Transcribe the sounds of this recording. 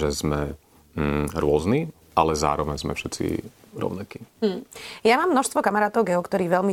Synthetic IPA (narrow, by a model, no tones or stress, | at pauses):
ʒɛzmɛ | ɾʊɔzni | ʔalɛza̰ːɾɔʋɛɲzmɛ̰fʃɛt̪t͡sḭ | ɾɔ̰ʊnakiː | jamaːmːnɔʃst̪ʋɔkamaɾaːt̪ɔʊɡɛɔkt̪ɔɾiːʋɛlmi